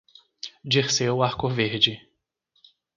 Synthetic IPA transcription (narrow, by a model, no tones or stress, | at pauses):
d͡ʒiχsewaɾkoveɾd͡ʒɪ